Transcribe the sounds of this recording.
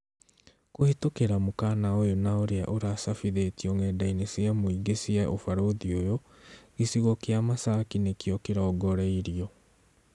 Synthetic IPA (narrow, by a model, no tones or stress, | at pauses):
kohetokeɾamokaːnaojonaoɾea̰ʔoɾasafiðetiɔŋɛːdainesjamoiɡesiaʔofaɾoðiojo | ɣisiɣɔkeamasakinekiɔkeɾɔːɡɔɾɛiɾiɔ